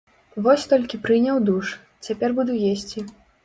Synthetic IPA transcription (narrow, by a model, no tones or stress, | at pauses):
vɔsʲt̪ɔlʲkʲipɾɨnʲɐwd̪uʂ | t͡sʲapʲɛrbud̪ujesʲt͡sʲi